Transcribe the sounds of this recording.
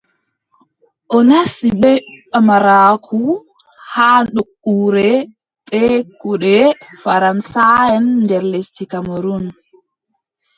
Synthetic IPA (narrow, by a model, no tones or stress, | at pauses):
ʔɔnasiɓɛamaɾaːkʰu | haːɗokːuːɾɛ | ɓɛkuɗɛfaɾansajɛnːdɛɾlestikamaɾun